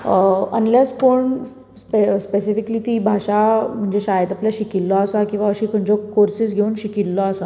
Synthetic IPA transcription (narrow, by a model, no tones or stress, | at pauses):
ə̰nlespoɳ | spespesifikliːt̪iːbʱaɕam̤əɳd͡zeɕajət̪apljaɕikilːɔəsakĩw̃ʋaəɕiːkʰəɳd͡ʑɔkoɾsiːsɡʱeuːnɕikilːɔəsa